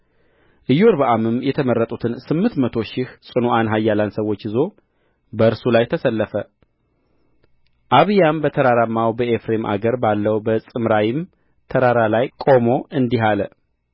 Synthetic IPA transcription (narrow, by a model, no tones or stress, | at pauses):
ʔɨjoɾbəʔamɨmjɛt̪ʰəmərːət̪ʼut̪ʰɨnsɨmːɨnt̪mət̪ʰo̞ʃɪhsʼɨnuʔanɦajːalansəwo̞t͡ʃːɨzo̞ | bəɨɾsulajt̪ʰəsəlːəfə | ʔaβɨjambət̪ʰəɾaɾamːawbəefɾe̞mʔa̰ɡəɾbalːəwbəsʼɨmɾajɪm | t̪ʰəɾaɾalajkʼo̞mo̞ʔɨnd̪iɦalə